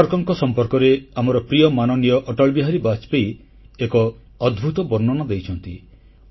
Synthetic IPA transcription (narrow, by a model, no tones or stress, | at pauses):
ɔɾkɔŋkɔsɔmpɔɾkɔɾeamɔɾɔpɾijɔmanɔnijɔʔɔʈɔɭbiɦaɾibat͡ʃpej | ekɔː | d̪bʱut̪ɔbɔɾnːɔnad̪ejt͡ʃʰɔnt̪ḭ